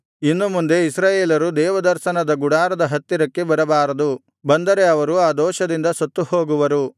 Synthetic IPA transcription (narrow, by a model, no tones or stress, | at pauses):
inːumund̪e̞isɾaːjeːlɐɾud̪ɛːʋɐd̪ɐɾʃɐnɐd̪ɐɡuɽaːɾɐd̪ɐɦɐt̪ːiɾɐkːe̞bɐɾɐbaːɾɐd̪u | bɐnd̪ɐɾe̞ɐʋɐɾuaːd̪ɔːʃɐd̪ind̪ɐsɐt̪ːuhoːɡuʋɐɾu